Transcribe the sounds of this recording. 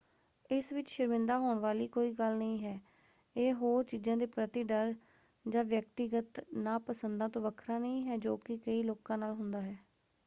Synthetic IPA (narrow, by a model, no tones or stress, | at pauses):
ɪsʋɪt͡ʃʃəɾmɪ̃nd̪aːɦoːɳʋaːliːkoːiːɡəlnəĩːɦɛː | eːɦoːɾt͡ʃiːd͡ʒãːd̪eːpɾət̪iːɖəɾ | d͡ʒãːʋjək̚t̪iɡət̪naːpəsənd̪ãːt̪õːʋəkʰɾaːnəĩːɦɛːd͡ʒoːkɪkəiːloːkãːnaːlɦʊnd̪aːɦɛː